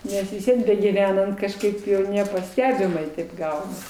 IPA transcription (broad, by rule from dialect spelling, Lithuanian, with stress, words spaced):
ˈnʲɛs ʋʲɪs ˈʋʲiɛn bʲɛɡʲiːˈʋʲæːnɐnt kɐʃˈkɐɪp nʲɛpɐˈsʲtʲæːbʲɪmɐɪ tɐɪp ˈɡɐʊnɐs